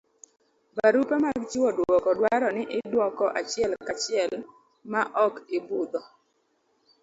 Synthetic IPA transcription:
baɾupɛmaɡt͡ʃiwɔdwɔkɔdwaɾɔnɪʔɪdwɔkɔʔat͡ʃɪɛlkat͡ʃɪɛl | maʔɔkibud̪ɔ

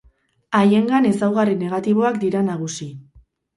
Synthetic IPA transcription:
aje̞ŋɡane̞sawɣarine̞ɣ̞at̪iβ̞o̞akd̪iɾanaɣ̞usi

